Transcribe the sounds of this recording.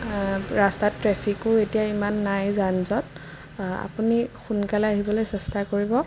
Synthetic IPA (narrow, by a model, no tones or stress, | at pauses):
ɹastatɹɛpʰikʊetijaimanːajzanzɔt | a̰punixunkalɛaɦibɔlojsɛstakoɹibɔ